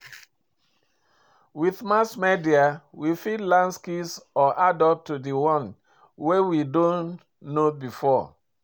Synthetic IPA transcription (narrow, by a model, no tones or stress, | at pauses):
wiθmasmediawifidlãnskisɔʔadɔp̚tudiwɔ̃n | wewidõnː | obifɔ